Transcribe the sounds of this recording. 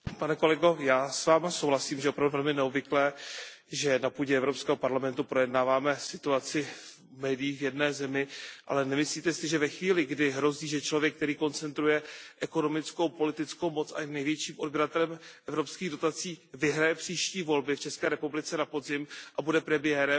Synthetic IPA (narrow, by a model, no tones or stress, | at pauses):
panɛko̞lɛɡo̞jaːsvaːmasowlasiːmʒɛopɾavduvɛlmɪnɛobvɪklɛːʒɛnapuːɟɛɛvɾopskɛːɦopaɾlamɛnt̪upɾo̞jɛdnaːvaːmɛsɪt̪uat͡sɪ | mɛːdɪjiːxvjɛdnɛːzɛmɪʔa̰lɛnɛmɪsliːt̪ɛsɪʒɛvɛxviːlɪɡdɪɦɾo̞ziːʒɛt͡ʃlo̞vjɛk̚ːt̪ɛɾiːko̞nt͡sɛnt̪ɾujɛʔɛko̞no̞mɪt͡sko̞wpo̞lɪt̪ɪt͡skowmo̞t͡sʔa̰jnɛjvjɛt͡ʃiːmʔodbɪɾat̪ɛlɛmʔɛvɾo̞pskiːɣdo̞t̪at͡siːvɪɦɾajɛpr̥iːʃciːvo̞lbɪft͡ʃɛskɛːɾɛpublɪt͡sɛnapo̞zɪmʔabudɛpɾɛmɪjɛːɾɛ